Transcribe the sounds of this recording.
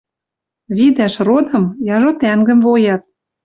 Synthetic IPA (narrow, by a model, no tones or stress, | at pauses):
βid̪æʃrod̪ɤ̆mjɑʒot̪æŋɡə̆mvojɑt̪̚